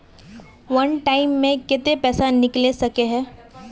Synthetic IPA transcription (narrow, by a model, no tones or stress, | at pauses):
ʋɐnʈaːɪmːẽkɪt̪epɛːsanɪklesɐkeɦɛ̃ː